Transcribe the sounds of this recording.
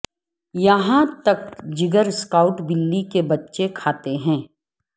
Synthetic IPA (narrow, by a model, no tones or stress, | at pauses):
jɐɦãt̪ɐk̚d͡ʒɪɡəɾskaːʊʈbɪlːikebɐtːʃekʰaːt̪eɦɛ̃ː